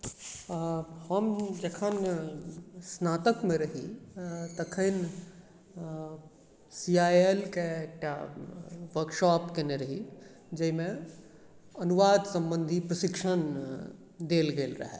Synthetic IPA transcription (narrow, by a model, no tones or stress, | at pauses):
həmd͡ʒekʰən | snaːt̪əkmẽɾɐɦit̪ɐkʰən | siːaːelkeeːk̚ʈa | ʋəɾkʃaːpkeneɾɐɦi | d͡ʒɐɦimẽ | ɐnuʋaːd̪sɐ̃mbə̃nd̪ʱipɾɐʃɪkʃən | d̪eːlɡeːlɾɐ̰ɦɛ̰ː